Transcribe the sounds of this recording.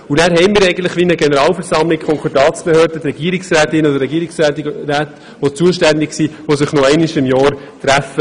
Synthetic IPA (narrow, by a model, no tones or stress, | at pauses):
unæːɾɦɛɪmɪːɾɛɪɡən̩tləχʋinəɡenəɾɑːlfɛɾsɑmlɪkkʰχɔŋkʰɑdɑːt͡sb̥ehøːɾdət̪ɾɛɡ̥iːɾiksræːt̪ɪnɔd̪əɾɛɡiːɾiksæːtræːt̪ | ʋot͡suəʃtænd̪ɪksiːʋosɪχnoɛɪnɪʃɪmjɑːɾ | t̪ɾæfə